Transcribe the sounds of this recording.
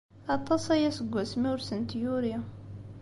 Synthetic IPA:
ɑt̪ˤːɑsæjæsəɡʷːæsmiwɾsənt̪juɾja

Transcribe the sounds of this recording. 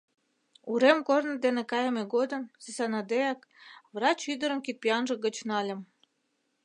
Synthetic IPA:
uɾemkornə̆d̪enekɑjəmeɡod̪ə̆msesɑnɑd̪eɑk | βrɑt͡ɕyd̪əɾə̆mkit̪̚pʲijɑnʒə̆ɣət͡ɕnɑlʲə̆m

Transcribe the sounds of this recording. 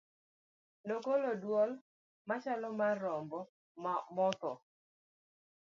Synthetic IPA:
nokolodwɔl | mat͡ʃalɔmarːɔmbɔ | mmɔt̪ɔ

